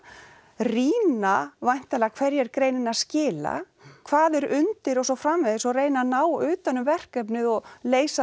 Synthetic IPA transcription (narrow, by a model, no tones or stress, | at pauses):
riːnavajn̥t̪alɛkʰvɛɾjɛɾkɾeːjnɪnascɪːla̰ | kʰvaːðɛɾʏnt̪ɪɾɔsɔfɾamvɪðɪsɔreːjnanaːwʏːt̪anʏmvɛr̥kɛpnɪðɔɣleːjsa